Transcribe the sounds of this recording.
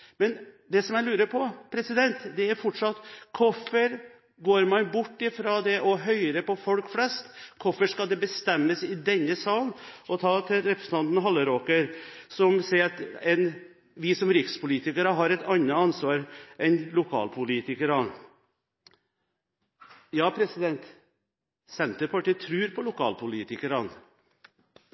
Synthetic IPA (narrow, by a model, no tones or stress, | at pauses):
mɛnd̪ɛsɔmjæɪlʉːɾəɾpʰɔpʰɾɛsɪd̪ɛnt̪d̪ɛæɾfɔʈʂɑt̪kʰɔfəɾ | ɡoːɾmɑnbʊʈːɪfɾoːd̪ɛʔɔɦœʏɾəpʰɔfɔlkflɛst̪kʰɔfəʂkɑld̪ɛbəst̪ɛmːəsɪd̪ɛnːəsɑːlnɔt̪ʰɑːt̪ʰɪlɾɛpɾəsn̩ʰɑnt̪n̩ɦɑlːəɾoːkəɾsɔmsɛɪɾt̪ɛn | ʋɪsɔmɾɪkspʊliːt̪ɪkəɾəɦɑɾɛt̪ɑnːəɑnsʋɑːɾʔɛnlʊkʰɑ̰ːlpʰʊliːt̪ɪkəɾɑn | jɑːpʰɾɛsɪd̪ɛnt̪ | sɛnt̪əɾpɑʈiːt̪ʰɾʉːɾpʰɔlʊkʰɑ̰ːlpʰʊliːt̪ɪkəɾɑn